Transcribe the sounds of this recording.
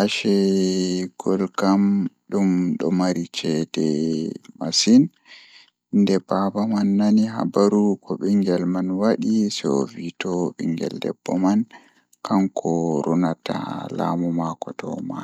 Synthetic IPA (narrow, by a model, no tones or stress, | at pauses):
ʔaʃɛ | ɡ̥ɔlkamɗumɗɔmaɾit͡ʃɛdɛmasin | ndɛbabamanːaniɦa̰baɾukʰɔɓiŋɡɛlmanwaɗisɔvitɔɓḭŋɡɛ̰ldɛ̰bːɔman | kʰamkʰɔɾɔnatʰa̰la̰mɔmakɔtɔ̰ma̰